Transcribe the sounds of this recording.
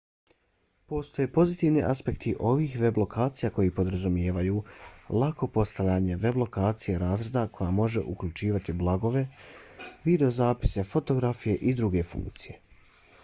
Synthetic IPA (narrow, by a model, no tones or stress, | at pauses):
po̞st̪o̞jeːpo̞zit̪iːʋniʔaspe̞kt̪ʰiʔo̞ʋiːxʋe̞blo̞kʰaːt̪sijako̞jipo̞d̪ɾazumje̞ːʋajuːlˠako̞po̞st̪aʋʎaːɲe̞ʋe̞blˠo̞kaːt̪sijeɾaːzɾe̞d̪akʰo̞jamo̞ʒe̞ʔukʎut͡ʃiːʋat̪iblˠaɡo̞ʋe̞ | ʋid̪e̞o̞zaːpi̥se̞fo̞t̪o̞ɡɾafije̞ʔid̪ɾuɡe̞fṵ̃ŋkt̪sije̞